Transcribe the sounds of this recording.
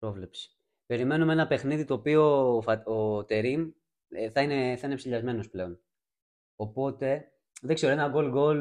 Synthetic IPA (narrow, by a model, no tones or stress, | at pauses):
pɾo̞vle̞psi̥ | pe̞ɾime̞numenɐpe̞xniðit̪o̞ːpiofɐot̪e̞ɾim | θɐineθɐinepsiʎɐzme̞no̞sple̞o̞n | opo̞t̪e̞ | ðekse̞ɾoenɐɡo̞lɡo̞l